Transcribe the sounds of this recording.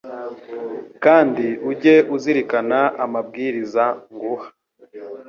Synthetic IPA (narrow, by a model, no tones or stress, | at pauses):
kaːndiuɟe̞ʔuziɾikanaʔamab̚ɡiɾizaŋɡuhḁ